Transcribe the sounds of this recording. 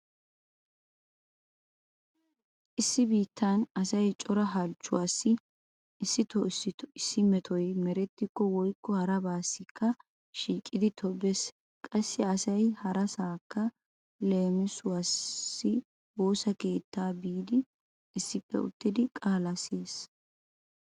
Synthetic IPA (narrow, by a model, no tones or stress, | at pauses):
ʔɪsːɪbiːt̪ʰːanɐsɐjt͡ʃʼɔɾɐɦɐlt͡ʃːʊwaːsːɪ | ɪsːɪt̪ɔɪɪsːɪmɛt̪ʰɔjmɛɾɛt̪ːɪkːɔwɔjkːɔhɐɾɐbaːsːɪkːɐ | ʃiːkʼɪd̪ɪt̪ʰɔbɛs | kʼɐsːɪɐsɐjhɐɾɐsaːkːɐ | le̞ːmɪsʊwaːsːɪ | wo̞ːsɐkeːt̪ːaːbiːd̪ɪ | ɪsːɪpːɛ̰ʊ̰t̪ːɪd̪ɪkʼaːlɐseːs